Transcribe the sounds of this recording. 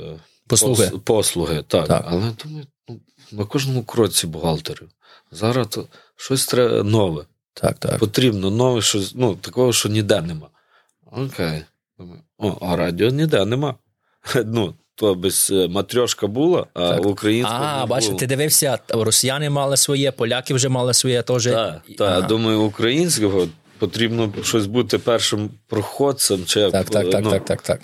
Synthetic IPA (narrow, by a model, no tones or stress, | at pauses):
pɔsˠupɔslˠʊɦɪt̪ɑkɐlˠɛd̪umɐjʊnu | nɐkɔʒnɔmʊkɾɔt͡sʲːibʊɦɑlˠt̪eɾʊ | zɑɾɑt̪ɔ | ʃɔsʲt̪ɾɛ̰nɔʋɛ | t̪ʰa̰kt̪a̰kpɔt̪ɾʲibnɔnɔʋɛʃɔsʲnut̪ɐkɔɦɔʃt͡ʃɔnʲid̪ɛnɛmɑ | ɔkʰɛj | d̪umɐjʊɔʔɐɾɑdʲiɔnʲɪd̪ɛnɛmɑ | nu | t̪ɔbɛsʲmɐt̪ɾʲɔʃkɐbulˠɐɐʊkɾɐjinsabɑt͡ʃt̪ɪd̪ɪʋɪwsʲɐɾɔsʲɪjanɪmɑlˠɪsʋɔjɛpɔlʲakɪwʒɛmɑlˠɪsʋɔjɛt̪ɔʒɛt̪ad̪umɐjʊːkɾɐjinʲsʲkɔɦɔ | pɔt̪ɾʲibnɔʃɔsʲbut̪ɪpɛrʃɪmpɾɔxɔd̪̚sɛmt͡ʃɪjak̪aknuak̚t̪ɑkt̪ɑ̰k